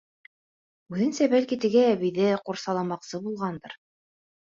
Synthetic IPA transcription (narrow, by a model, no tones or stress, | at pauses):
ʉðɘ̆nsæbælkit̪ɘ̆ɡæːβiðɘquɾsɑlˠɑmɑqsɤbulˠʁɑnd̪ɤ̆ɾ